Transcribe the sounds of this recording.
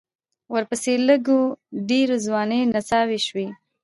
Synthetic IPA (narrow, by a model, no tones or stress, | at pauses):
wəɾpəseləɡoɖeɾozwɑnenasɑweʃwi